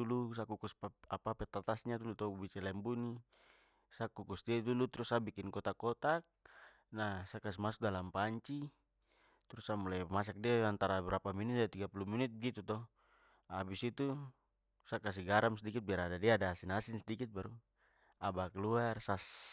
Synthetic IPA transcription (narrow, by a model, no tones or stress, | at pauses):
ulusakukuspaapapɛt̪at̪asɲad̪ulut̪ɔbisɛlɛmbuni | sakːukusdiad̪ulut̪uɾusabikinkɔt̪akɔt̪ak̚ | nasakasimas̬u̥k̚dalampaɲt͡ʃi | t̪ɾusamulajmas̬ak̚diaant̪aɾabɛɾapaminit̪̚dt̪iɡapuluminit̪̚bɛɡit̪ut̪ɔ | abisit̪u | sakas̬iɡaɾamsɛdikit̪̚biaɾadadiadasinasinsɛdikit̪̚baɾu | abakɛluarsas